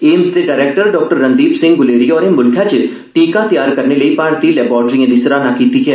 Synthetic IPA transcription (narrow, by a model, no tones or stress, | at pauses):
eːmzd̪eɖaɪɾeːk̚ʈəɾɖɔːk̚ʈəɾːɐ̃nd̪iːpsɪ̃ŋɡɡʊleːɾiɔːɾemʊlkʰjat͡ʃe | ʈiːkat̪ijaːɾkɐɾneleipaːɾt̪ilɛːbɔːɾʈɾijãd̪ɪsɾanakiːt̪iɦɛː